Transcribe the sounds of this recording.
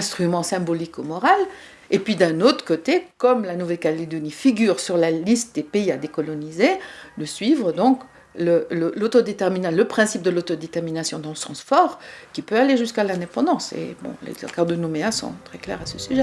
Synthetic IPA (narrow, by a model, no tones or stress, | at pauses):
ɛ̃st̪χymɑ̃sɛ̃bɔlikomɔʁal | epɥid̪ɛ̃not̪χə̥kot̪ekɔmlanuvɛlkaled̪ɔnifiɡʲyʁsyʁlalist̪̚d̪epeiad̪ekɔlɔnizeləsɥivʁəd̪ɔ̃k | lələlot̪ɔd̪et̪ɛʁminaləpχɛ̃sip̚d̪əlot̪od̪et̪ɛʁminasjɔ̃d̪ɑ̃ləsɑ̃sfɔʁkʲipøaleʒyskalɛ̃d̪epɑ̃d̪ɑ̃sḛbɔ̰̃lḛkaʁd̪ənomeasɔ̰̃t̪χɛklɛ̰ʁasəsyʒɛ